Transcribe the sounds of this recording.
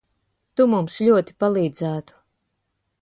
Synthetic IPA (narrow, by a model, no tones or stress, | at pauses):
t̪umumsʎʲuɔt̪i̥palˠiːd̪zæːt̪u̥